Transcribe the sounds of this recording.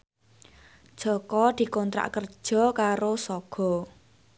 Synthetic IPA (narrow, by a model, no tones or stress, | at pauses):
d̥ʒ̥ɔ̤kɔd̪̥i̤kɔnt̪ɾa̰ʔkərd̥ʒ̥ɔ̤kaɾosɔɡ̥ɔ̤